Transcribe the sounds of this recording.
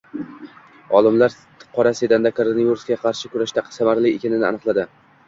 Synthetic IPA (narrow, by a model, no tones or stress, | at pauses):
ɒlˠɪmlaɾ | qʰɒɾase̞d̪and̪akʰoɾonajiɾuskʲaqʰɑɾʃɪkʰʊɾaʃt̪asamaɾlɪːkʲanɪnɪ̰a̰nɨqlˠad̪ɪ